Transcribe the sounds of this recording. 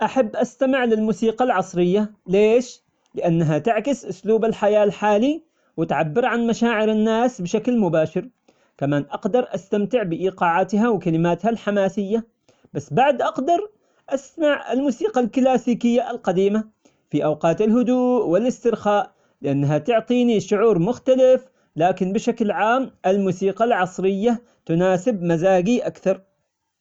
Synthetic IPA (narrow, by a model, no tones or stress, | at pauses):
ʔaħabːʔast̪amɪʕlɪlmuːsiːqɑlʕɑsˤɾɪjːaleːʃ | lɪʔanːaɦat̪ɪʕkɪsʔʊsluːbalħajaːlħaːli | wɪt̪ʕabːɪɾʕanmaʃaːʕɪɾanːaːsbɪʃaklmʊbaːʃɪɾ | kamaːnʔɑqd̪ɑɾˤʔast̪amt̪ɪʕbɪʔiːqɑːʕaːt̪hawɪkalɪmaːt̪halħamaːsɪjːa | basːbaʕd̪ʔɑqd̪ɑɾˤ | ʔasnaʕa̰lmuːsiːqalklaːsiːkɪjːaʔlqɑd̪iːma | fiʔawqɑːt̪ɪlɦʊd̪uːʔwɪlɪst̪ɪɾxaːʔ | lɪʔanːɦat̪ʊʕt̪ˤiːniʃʊʕuːɾmʊxt̪alɪf | laːkɪnbɪʃaklʕaːmʔɪlmuːsiːqɑlʕɑsˤɾɪjːa | t̪ʊnaːsɪbmazaːɡiʔakθɑɾˤ